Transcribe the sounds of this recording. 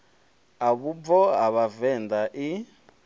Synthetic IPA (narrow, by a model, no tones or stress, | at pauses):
aβub̪vɔɦaβavɛndaʔi